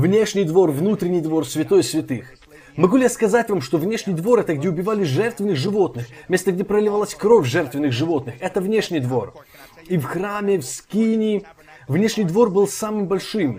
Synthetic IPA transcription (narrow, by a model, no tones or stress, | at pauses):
vnʲe̞ʂnʲɪjd̪vo̞rvnut̪ɾʲɪnʲɪjd̪vo̞rsvʲɪt̪o̞jsvʲɪt̪ɨx | mɐɡulʲɪjaskɐzatʲvamʂt̪ovnʲe̞ʂnʲɪjd̪vo̞ɾɛt̪əɡ̚dʲeʊbʲɪvalʲɪʐɛrt̪vʲɪnːɨxʐɨvo̞t̪nɨxmʲe̞st̪əɡdʲepɾəlʲɪvalˠasʲkɾofʲʐɛrt̪vʲɪnːɨxʐɨvo̞t̪nɨxɛt̪əvnʲe̞ʂnʲɪjd̪vo̞r | ifxɾamʲɪfskʲinʲɪ | vnʲe̞ʂnʲɪjd̪vo̞rbɨlˠsamɨmbɐlʲʂɨm